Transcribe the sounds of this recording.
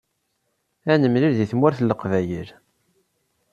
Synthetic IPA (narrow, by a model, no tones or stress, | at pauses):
ænəmliɾðiθmwæɾθlːəqvæjiɾ